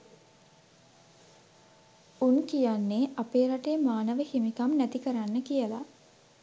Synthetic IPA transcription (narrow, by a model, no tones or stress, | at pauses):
unkijanːeʔapeːɾaʈejːmaːnəʋəhimikamnæt̪ikəɾanːəkijəla